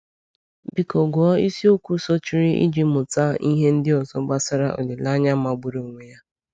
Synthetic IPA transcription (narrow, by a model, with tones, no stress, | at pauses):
bi˨kɔ˨ɡɔ˦i˦si˦o˦kʷu˦sɔ˦t͡ʃi˦ɾi˦ʔḭ˦d͡ʒi˦mʊ˨ta˦i˦ɦe˦n̩˦dɪ˦ɔ˨zɔ˦ɡ͡ba˦sa˦ɾa˦ʔo̰˨de˨la˦ɲa˦ma˨ɡ͡bʊ˨ɾo˨ŋʷe˨ja˦